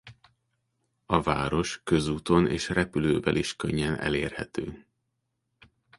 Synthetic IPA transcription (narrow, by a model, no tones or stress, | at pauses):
ɒvaːɾo̞ʃkø̞zuːt̪o̞neːʃrɛpyløːvɛliʃkøɲːɛnɛ̰leːrhɛt̪øː